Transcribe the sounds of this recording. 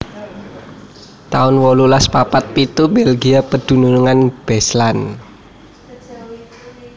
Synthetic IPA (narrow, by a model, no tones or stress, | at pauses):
t̪aʊnwɔlulaspapat̪̚pit̪ubelɡiapəd̪̥ṳnunuŋanb̥ɛslan